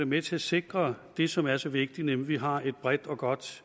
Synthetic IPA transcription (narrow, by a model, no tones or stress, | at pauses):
emet͡sʰe̝æse̝ɡ̥ʁɐd̥e̝sɒ̽mæɐsɒ̽ʋe̝ɡ̥d̥inemʋiɦɑ̈e̝d̥̚b̥ʁad̥ɒ̽ɡ̥ɒ̽d̥